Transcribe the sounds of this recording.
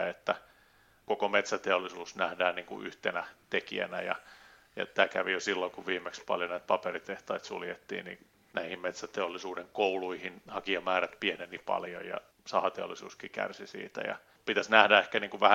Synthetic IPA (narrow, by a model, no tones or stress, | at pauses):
et̪ːæ | kokomet̪sæt̪eolːˑisuːsnæhdæːnniːŋkṵʔy̰ht̪enæt̪ekḭæ̰næ̰jɑ̰ | jɑ̰t̪æːkæʋijosilːoŋkuʋʋiːmːekspɑ̰ljonæːt̪̚pɑperit̪eht̪ɑit̪sṵljet̪ːḭːnnḭ | næihimmet̪sæt̪eolːisuːdeŋkouluihinhɑkiɑmæːræt̪pienenipɑ̰ljo̰jjɑ̰ | sɑhɑt̪eo̰lːˑisṵːskikæ̰rsisḭːt̪æ̰jɑ̰ | pit̪æsnæhdæehkæniːŋkuʋʋæhæ